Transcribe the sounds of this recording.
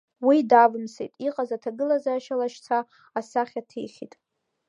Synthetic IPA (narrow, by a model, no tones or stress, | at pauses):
widavɨmsḛtʼiqʼazatʰaɡɨlazaːʃalaʃt͡sʰaː | saχʲatʰḛjχʲḭtʼ